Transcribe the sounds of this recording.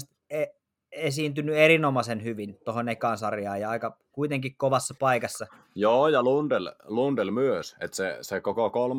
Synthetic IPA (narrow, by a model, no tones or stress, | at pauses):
st̪ | e | esiːnt̪ynːyerinomɑsenhyʋint̪ohonekɑːˑnsɑrjɑːjɑɑikɑkuit̪eŋkikkoʋɑsːɑpɑikɑsːɑ | joːjɑlund̥̪ellund̥̪elmyøsḛt̪sḛsekokokol